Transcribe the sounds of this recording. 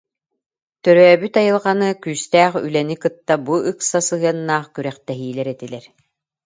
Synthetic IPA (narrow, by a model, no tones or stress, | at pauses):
t̪œɾœːbyt̪ajɯlˠʁɑnɯkyːst̪æːχy̰lɛnikɯt̪ːabuʔɯksasɯɦɯɐnːaːχkyɾɛχt̪ɛɦiːlɛɾɛt̪ilɛɾ